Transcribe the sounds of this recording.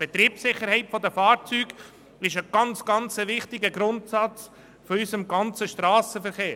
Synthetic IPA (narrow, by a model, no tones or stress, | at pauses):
b̥ɛt̪ɾiːpsɪχːəɾhɛɪtfɔd̪əfɑːɾt͡syːɡ | ɪʃəɡ̥ɑnt͡sɡ̥ɑnt͡səʋɪχtɪɡəɡɾʊntsɑt͡s | fɔysəmɡɑnt͡səʃtɾɑːsəfəɾχeː